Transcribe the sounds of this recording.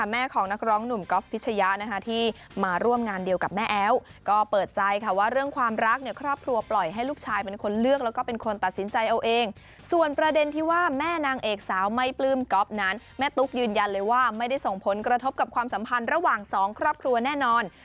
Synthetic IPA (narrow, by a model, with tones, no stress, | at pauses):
a˧˥˩mɛː˥˩kʰɔː˩˦ŋna˦˥k̚ɾɔː˦˥ŋnu˨˩mkɔ˦˥pʰːi˦˥t͡ɕʰa˧ja˦˥ʔna˦kʰa˦˥t̪ʰiː˥˩ | maː˧ɾu˥˩əmŋaː˧ndi˧əwka˨˩p̚mɛː˥˩ʔɛː˦˥wkɔː˥˩pɤː˨˩t̪̚t͡ɕa˧jkʰa˥˩waː˥˩ɾɯ˥˩əŋkʰwaː˧mɾa˦˥k̚ni˧˥˩əkʰɾɔː˥˩p̚kʰɾu˧ɐplɔ˨˩jɦa˥˩jluː˥˩k̚t͡ɕʰaː˧jpe˧nkʰo˧nlɯ˥˩ək̚lɛ˦˥wkɔː˥˩pe˧nkʰo˧nt̪a˨˩t̪̚si˩˦nt͡ɕa˧jʔa˧wʔeː˧ŋ | su˨˩ənpɾa˧de˧nt̪ʰiː˥˩waː˥˩mɛː˥˩naː˧ŋʔeː˨˩k̚saː˩˦wma˧˩jplɯː˧mkɔ˦˥p̚na˦˥n | mɛː˥˩t̪u˦˥k̚jɯː˧nja˧nlɤː˧jwaː˥˩ma˥˩jda˥˩jso˨˩ŋpʰo˩˦nkɾa˧t̪ʰo˦˥p̚ka˨˩p̚kʰwaː˧msa˩˦mpʰa˧nɾa˧waː˨˩ŋsɔː˩˦ŋkʰɾɔː˥˩p̚kʰɾu˧ɐnɛː˥˩nɔː˧n